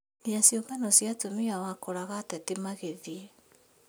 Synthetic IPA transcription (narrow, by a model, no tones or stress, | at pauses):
niasjoɡanɔsjatomiawakoɾaɣatɛtemaɣeðie